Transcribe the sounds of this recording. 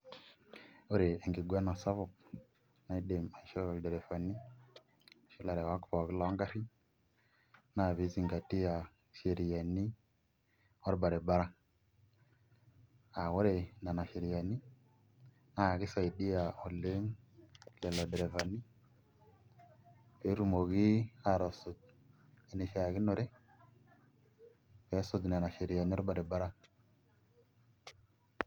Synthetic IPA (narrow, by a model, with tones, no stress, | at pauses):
o˦ɾe˨e˨ŋɡi˨ɡwa˦na˨sa˦βɔ˨ | na˨˦i˦ɗe˨ma˨ʃɔ˦˨dɛ˨ɾɛ˨fa˨ni˦˨ | ʃi˦la˨ɾɛ˨wa˨˦kfa˨ki˦la˨˦ŋɡa˦ɾi˦ | na˦˨βi˨˦zi˨ŋɡa˨ti˦ja˨ | ʃe˨ɾi˨ja˨ni˦ | ɔ˦ɾba˨ɾɛ˨ba˦ɾa˦ | a˨wo˦ɾe˨na˨na˨ʃe˨ɾi˨ja˨ni˦ | na˦˨ɡi˦sa˨i˨di˦ja˨o˨le˦ŋle˨lo˨dɾe˨va˨nːi˦ | pe˨˦ɾu˦mo˨ɡi˦a˨ɾo˨so˨t̚ | i˨ni˨ʃa˨ɡi˦no˨ɾe˦ | fe˨˦so˦˨dna˨na˨ʃe˨ɾi˨ja˨ni˦ɾba˨de˨ba˦ɾa˦